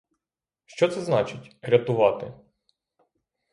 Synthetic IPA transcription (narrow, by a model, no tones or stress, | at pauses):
ʃt͡ʃɔt̪sɛznɑt͡ʃɪtʲɾʲɐt̪ʊʋɑt̪ɪ̰